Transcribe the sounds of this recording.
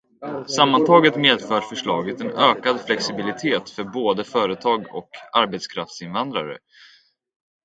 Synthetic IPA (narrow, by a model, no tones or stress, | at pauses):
samːant̪ʰɑːɡət̪meːd̪fœːɾfœʂɭɑːɡət̪ɛnøːkad̪flɛksɪbɪlɪt̪ʰeːt̪fœɾboːd̪əfœːɾət̪ʰɑːɡɔ̰kaɾbɛt̪skʰɾaft̪sɪnvand̪ɾa̰ɾə̰